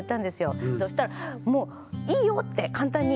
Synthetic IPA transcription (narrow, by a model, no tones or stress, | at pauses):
t̪ːãnd̪e̞sɨjo̞d̪oːɕi̥t̪aɾamo̞ː | iːjo̞t̪ːe̞kãnt̪ãɲ̟ːi